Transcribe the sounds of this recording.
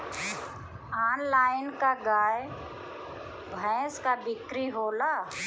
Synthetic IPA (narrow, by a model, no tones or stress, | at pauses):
aːnlaːɪnkaɡaːj | bʱɛ̃ːskabɪkɾiɦoːlaː